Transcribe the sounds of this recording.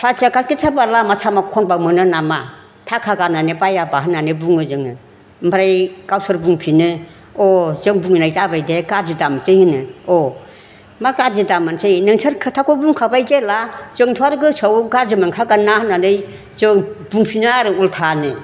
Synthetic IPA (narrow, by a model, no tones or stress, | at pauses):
sʰasakakitʰabalamat͡ʃʰamakʰɔnbawmɯnɯnama | tʰakʰaɡananebajabaɦɯnːanɯbuŋɯzɯŋɯ | mbɾajkawsɯɾbuŋpʰinɯ | ɔzɯŋbuŋnajtabajdeɡad͡ʒɯdamt͡ʃɯjhɯnɯɔ | maɡad͡ʒɯdamant͡ʃɯjnɯŋsʰɯɾkʰɯtʰakʰɔbuŋkʰabajzelazɯŋtʰuaɾɯɡɯsəwɡaɾzɯmankʰaɡanahɯnːanɯj | zɯŋbuŋpʰinɯaɾɯultʰanɯ